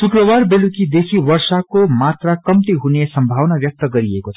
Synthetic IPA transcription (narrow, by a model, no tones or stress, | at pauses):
sukɾʌβarbelukid̪esʰiwʌrsakomat̪rakʌmt̪iɦunesʌmbʱawnabjʌk̚t̪ʌɡʌɾiekot͡sʰ